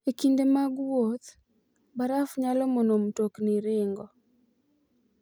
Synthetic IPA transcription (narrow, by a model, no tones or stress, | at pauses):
ekindemaɡwot̪ | baɾafɲalɔmɔnomtokniɾɪŋɡɔ